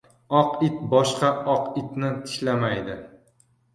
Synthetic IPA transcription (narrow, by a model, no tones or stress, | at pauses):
ɒqɪt̪bɒʃqɑɒqɪt̪nɪt̪ʰɪ̥ʃʲlamajd̪ɪ